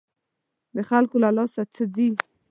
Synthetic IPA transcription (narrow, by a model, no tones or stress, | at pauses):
beχalkulalɔsat͡sʰəd͡zi